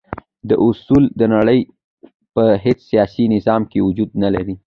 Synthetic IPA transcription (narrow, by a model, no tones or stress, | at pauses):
d̪əʔʊsuld̪ənaɽəj | pəɦet͡ssijɑsinɪzɑmkewud͡ʒud̪nalaɾi